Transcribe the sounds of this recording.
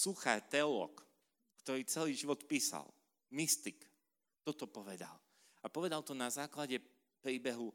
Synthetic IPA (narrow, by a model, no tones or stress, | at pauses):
suxaɾt̪ɛɔlɔ̰ːk | kt̪ɔɾiːt͡sɛliːʒiʋɔt̪piːsa̰lˠ | mist̪ik | t̪ɔt̪ɔpɔʋɛd̪a̰l | apɔʋɛd̪alt̪ɔnazaːklaɟɛ | pɾiːbɛɦu